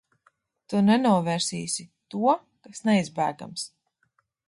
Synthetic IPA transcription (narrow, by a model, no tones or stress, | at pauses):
t̪unɛnuɔvɛːɾsiːsit̪uɔ | kasnɛizbæːɡa̰ms